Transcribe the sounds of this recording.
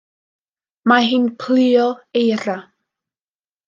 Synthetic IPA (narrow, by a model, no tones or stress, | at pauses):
maɦɪnpʰlɪɔejɾa